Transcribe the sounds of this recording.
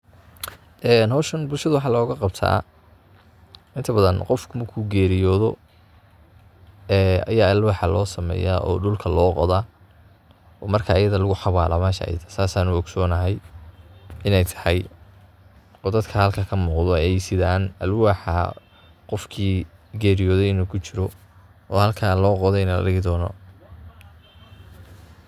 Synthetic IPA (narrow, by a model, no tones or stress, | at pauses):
ʔɛːnɦɔːʃɐnbʊlʃɐðʊwɑħɑːlɔːɣɐqɑbt̪ʰa̰ː | ʔɪnt̪ʰɐbɐðɐnqɔfkʰʊmɐrkʰʊɡɛːɾɪjɔːðɔ | ɛːɐ̰jaːɪlwaːħɑlɔːsɐmɛ̰ːja̰ːʔɔ̰ːɖʊlkʰɐlɔːqɔ̰ðaː | ʔɔːmɐrkʰɐʔːjɐðɐlʊɣʊħɑβaːlʔaːmɛːʃɐ̰ʔɐ̰jɐ̰ðɐsaːsaːnʊɔɡsɔːnɐɦɛj | ɪnɛjt̪ʰɐ̥hɑj | ɔːd̪ɐd̪kʰɐhɐlkʰɐkʰɐmuːqðɔɛjsɪðaːnɐlwaːħa | qɔfkʰiːɡɛːɾijɔːðɛjɪnuːkʰʊt͡ʃɪɾɔ | ɔːhɐlkʰaːlɔːqɔðɛɪnɐlɐ̰ɖɪɣɪd̪ɔːnɔ̰